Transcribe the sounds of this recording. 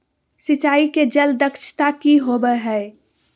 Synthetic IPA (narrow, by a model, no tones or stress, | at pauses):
sɪt͡ʃaːiked͡ʒəld̪əkʃʰt̪akiɦobəɦɛ